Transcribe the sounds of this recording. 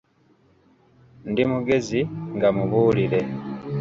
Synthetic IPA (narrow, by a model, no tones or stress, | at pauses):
ndimuɡe̞ziŋɡamuβuːlile̞